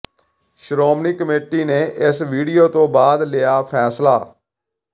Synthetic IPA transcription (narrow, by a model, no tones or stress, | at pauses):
ʃɾoːmniːkəmeːʈiːneːʔɪsʋiːɖijoːt̪õːbaːd̪lɪjaːpʰɛːslaː